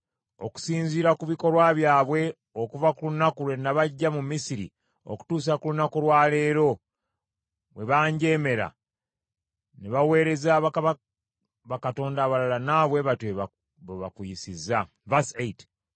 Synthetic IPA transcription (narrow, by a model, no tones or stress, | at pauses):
o̞̰ku̥siːɲziːɾakuβiko̞ɾwaβjaːβwe̞ | o̞kuvakulunakulwe̞naβaɟːamumisiɾḭ | o̰ku̥tuːs̬akulunakulwaːle̞ːɾo̞ | βwe̞βaːɲɟe̞ːme̞ɾa̰ | neβawe̞ːɾe̞zaβakaβa | βakato̞ːndaβalalanaβwe̞βatweβa | βeβa̰kwujisiza | vasejt